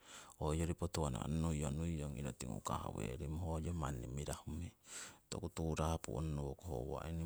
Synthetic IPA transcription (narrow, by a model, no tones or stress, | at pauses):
ojoɾipotuana̰nnujonujoŋiɾotiŋṵkaha̰weɾimoɦojomanːimiɾahumitokutuɾapṵʔo̰nonuwokoho̰wa̰ini